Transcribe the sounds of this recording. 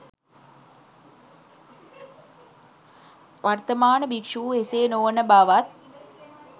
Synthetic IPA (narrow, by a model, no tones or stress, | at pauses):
ʋart̪əmaːnəbikʂuuɦeseːnoʋənəbaʋat̪̚